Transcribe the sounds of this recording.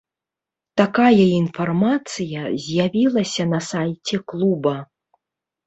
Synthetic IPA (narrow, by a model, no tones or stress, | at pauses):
t̪akajɐinfarmat̪sɨjɐzʲjavʲilˠɐsʲɐnɐsajt͡sʲɛklˠubɐ